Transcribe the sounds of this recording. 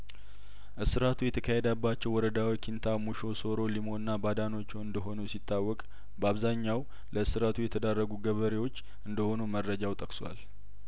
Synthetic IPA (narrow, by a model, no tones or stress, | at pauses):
ʔɨsɨɾat̪ʰujɛt̪ʰəkʰahed̪əbːat͡ʃːɛwːɔɾəd̪awikʰint̪ʰamuʃo̞so̞ɾo̞limo̞nːabad̪ano̞t͡ʃːuwɨnd̪əɦo̞nusit̪ʰːawːɔkʼ | bəaβzaɲːaw | ləɨsɨɾat̪ʰujɛt̪ʰəd̪arːəɡuɡəβəɾewo̞t͡ʃː | ʔɨnd̪əho̞numərːəd͡ʒawt̪ʼəkswa̰l